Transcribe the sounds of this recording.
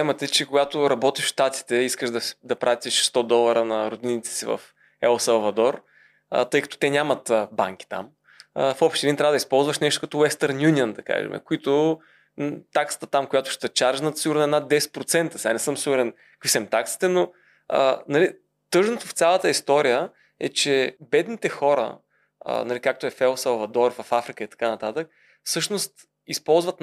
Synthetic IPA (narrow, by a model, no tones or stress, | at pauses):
ɛmɐt̪t͡ʃɛkoɡat̪oɾɐbɔt̪iʃʃt̪at̪i̥t̪ɛiskəʒd̪ɐ̥d̪ɐpɾʔat̪iʃst̪ɔd̪ɔlˠɐɾənɐɾod̪init̪sɛ̥sivɐ̰f | ɛlˠsɐlˠvɐd̪ɔɾ | ə̰t̪ɤjkɐ̥t̪ɔ̥t̪ɛnʲamət̪əba̰ŋk̟ʲi̥t̪a̰m | əfɔpʃt̪ɛd̪int̪ɾavəd̪ispɔlˠzvəʃnɛʃt̪okɐt̪ɔwɛst̪əɾnjunʲiənd̪ɐka̰ʒɛ̰mʔɛ̰kʊit̪ʊ | t̪aksə̥t̪ə̥t̪amkʊjat̪ʊ̥ʃt̪ɛt͡ʃaɾʒnɐt̪siɡuɾnɛnad̪̚d̪ɛsɛ̥t̪̚pɾot̪sɛnt̪əsianɛsɤmsiɡuɾɛn | kvisɛmt̪aksi̥t̪ɛno | ə̰nɐli | t̪ɤʒnot̪oft̪sʲjalˠət̪əist̪ɔɾijə | ɛ̰t͡ʃɛbɛd̪nit̪ɛxɔɾə̰ | ə̰nɐlikak̚t̪oɛfɛlˠsəlvɐd̪ɔɾfɐfafɾikəit̪ɐ̥kanɐt̪at̪ək̚ | fsɤʃnost̪ | ispɔlˠzvɐt̪